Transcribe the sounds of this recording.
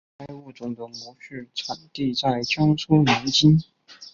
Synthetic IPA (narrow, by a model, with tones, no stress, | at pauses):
ka˥ɪu˥˩t͡sʊ˧˥˩ŋd̪ə˨˩ŋmɔ˧˥ʂ̩˥˩t͡sʰa˨˩nt̪i˥˧t͡sa˥˩ɪt͡ɕʰjɑ˥ŋsʰu˥mi˧˥nt͡ɕi˥n